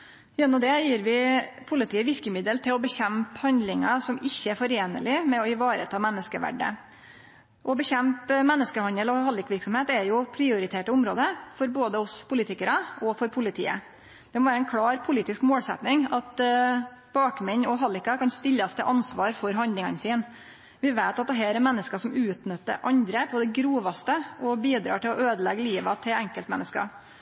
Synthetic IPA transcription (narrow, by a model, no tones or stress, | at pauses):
jɛnːɔmd̪ɛjiːɾʋɪpʰʊlɪt̪ʰiːəʋɪɾkəmɪd̪əlt̪ʰɪlɔbəçɛmphɑnd̪lɪŋɑsɔmɪçːəæɾfɔɾeːnə̰lɪmɛɔɪʋɑːɾə̰t̪ʰɑːmɛnːəskəʋæ̰ɖːə̰ | ʔɔbəçɛmpmɛnːəskəhɑnd̪əlɔɦɑlːɪkʋɪɾksɔmheːt̪ɛɾjʊpʰɾɪʊɾɪt̪ʰeːʈəʊmɾoːd̪əfɔɾboːd̪əɔspʰʊlɪt̪ɪkəɾɑɔfɔɾpʰʊlɪt̪ʰḭːə̰ | d̪̥ɛmɔʋæːɾəɛnkʰɽɑːɾpʰʊliːt̪ɪskmoːlsɛ̰t̪nɪŋɑt̪ | b̥ɑːkmɛɲɔɦɑlːɪkːɑkʰɑnst̪ɪlːɑst̪ʰəʔɑnsʋɑːɾfɔɾɦɑnd̪lɪŋɑnəsiːn | ʋɪʋeɪt̪ɑt̪̚d̪ɛɦæːɾɛmɛnːəskɑʂɔmʉːt̪nʏt̪ːə̰ɾʔɑnd̪ɾəpʰɔd̪ɛɡɾuːʋɑst̪əɔbiːd̪ɾɑ̰ːʈɪlɔøːd̪əlɛɡəliːʋɑt̪ʰɪlɛŋkəlt̪mɛ̰nːəskɑ̰